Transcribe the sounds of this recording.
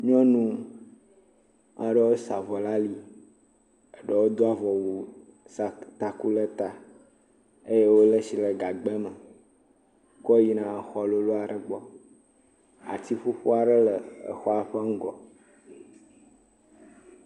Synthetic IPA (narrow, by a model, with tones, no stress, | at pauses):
ɲɔ̃˦nũ˦ | ʔã˦ɖə˦wo˦sa˨vɔ˨la˦li˦ | ə˨ɖə˦˨wo˦d̪o˦a˦vɔ˨wu˨ | st̪a˨ku˦lə˦t̪a˨ | e˦je˦wo˦lə˦si˨lə˨ɡa˨ɡ͡bɛ˦mə˨ | kɔ˦ji˨nã˨xɔ˨lo˦lo˦a˨ɖə˨ɡ͡bɔ˦ | a̰˨t̪i˦ɸu˦ɸu˦a˨ɖə˦lə˨ə̰˨xɔ˦a˨ɸə˦ŋ̩˦ɡɔ˨